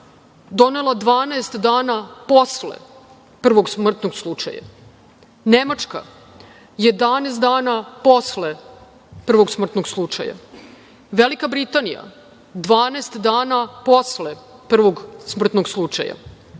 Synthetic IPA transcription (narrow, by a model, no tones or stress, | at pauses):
d̪o̞ne̞lˠad̪ʋaːnaest̪d̪aːnapo̞slḛ | pr̩ʋo̞ɡsmr̩t̪noɡslˠut͡ʃa̰ja̰ | nemat͡ʂka̰ | je̞d̪aneːst̪d̪aːnapo̞sle | pr̩ʋoɡsmr̩t̪noɡslˠut͡ʃa̰ja̰ | ʋelikabɾit̪anḭja̰ | d̪ʋaːnaest̪d̪aːnapo̞slepr̩ʋo̞ɡsmr̩t̪noɡslˠut͡ʃa̰ja̰